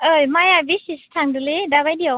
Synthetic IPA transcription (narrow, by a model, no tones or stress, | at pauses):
ɯjmajabisist̪ʰandɯledabajdia